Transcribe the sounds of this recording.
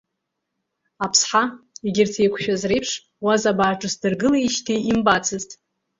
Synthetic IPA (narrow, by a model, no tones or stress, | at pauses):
apʰsħaiɡʲɪrtʰejkʷʰʃᶣazrejpʰʂ | wazabaːʈ͡ʂʼɨsdɨrɡɨleiʃtʰiimbat͡sʰɨztʼ